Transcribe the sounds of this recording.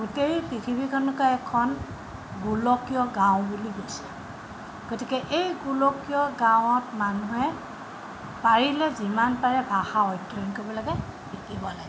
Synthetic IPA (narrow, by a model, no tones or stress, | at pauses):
ɡuteɹipɹitʰibikʰɔnkaɛkʰɔn | ɡulɔkijɔɡãw̃buliɡojsi | ɡ̥otikɛʔejɡulɔkijɔɡaw̃ɔtmanuɦɛ | paɹilɛzimanpaɹɛbʱaxaɔjtːɔnkobɔlaɡɛ | bitibɔlaɡɛɛ